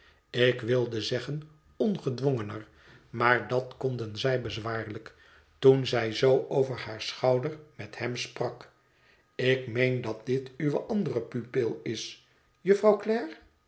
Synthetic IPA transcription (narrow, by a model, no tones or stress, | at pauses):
ɪkʋɪlˠdəzɛχən | ɔnχədʋoŋənər | maːɹdɑtkɔndənzɛjbəzʋaːɹlək | tunzɛjzowʔowvəɹhaːɹsχɑwdəɹmɛthɛmsprɑk | ɪkmejndɑt̚d̥̪ɪtyʋə̰ʔɑndərəpypɪlˠɪs | jəfrɑwklɛːɹ